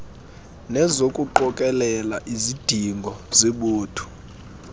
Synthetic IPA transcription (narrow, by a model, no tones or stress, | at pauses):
nɛzokʼuǃɔkʼɛlɛlaʔizid̥ʱiŋɡʱɔzeɓuːtʰu̥